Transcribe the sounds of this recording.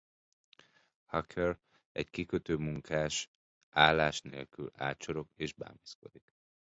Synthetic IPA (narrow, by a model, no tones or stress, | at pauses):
hɒkʰɛr | ɛ̰ckikøt̪øːmuŋkʰaːʃ | ʔaːlːaːʃnḛːlkyla̰ːt͡ʃoɾo̞keːʒba̰ːmisko̞d̪ik